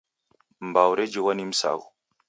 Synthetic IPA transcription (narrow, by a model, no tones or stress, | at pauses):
mbawɾed͡ʒiwanim̩sa̰ɣu